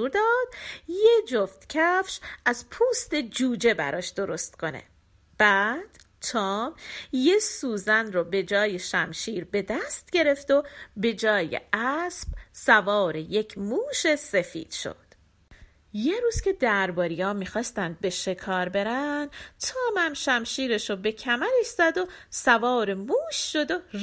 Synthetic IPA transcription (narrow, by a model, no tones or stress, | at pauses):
uːɾd̪ɒːd̪̥jed͡ʒoft̪cʰæfʃʔæzpʰuːst̪e̞d͡ʒuːd͡ʒe̞bæ̰ɾɒːʃd̪o̞ɾo̞st̪kʰo̞ne̞̰ | b̥æːd̪̥ | t̪ʰɒːmjesuːzænrobe̞d͡ʒɒːjeʃæmʃiːɾbe̞d̪æst̪̚ɟe̞ɾe̞ft̪obe̞d͡ʒɒːjḛʔæsb̥sævɒːɾeje̞cʰmuːʃe̞se̞fḭːd̪̥ʃo̞̰d̪̥ | jeɾuːz̥cʰʲe̞d̪æɾbɒːɾijɒːmiːxɒːst̪ænd̪̚be̞ʃe̞kʰɒːɾbe̞ɾænd̪t̪ʰɒːmæmʃæmʃiːɾe̞ʃobe̞cʰæmæɾeʃz̥æd̪osævɒːɾemuːʃːo̞d̪o